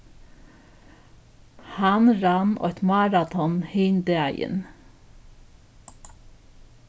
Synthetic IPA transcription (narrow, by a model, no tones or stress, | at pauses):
hɑnɾɑnɔ̰t̪mɑːɾɑt̪ʰɔnheːnd̪əæɪə̰n